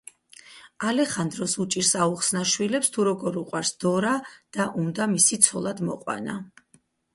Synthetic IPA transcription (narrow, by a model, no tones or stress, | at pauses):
alɛχand̪ɾɔsut͡ʃʼiɾsauχsnaʃwilɛpst̪ʰuɾɔɡɔɾuqʼwaɾsd̪̥ɔɾad̪̥aʔund̪amisit̪sʰɔlˠad̪mɔ̰qʼwa̰na̰